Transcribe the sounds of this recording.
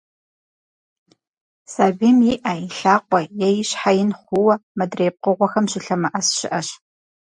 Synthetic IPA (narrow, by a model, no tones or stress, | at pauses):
saːbiːmjɪʔɐiɬaːqʷɔjɛjɪɕħajɪnχʷʊwɐmɐdreːp̚qəʁʷɔxɐmɕɪɬɐmɐʔɐsɕɪ̰ʔɐɕ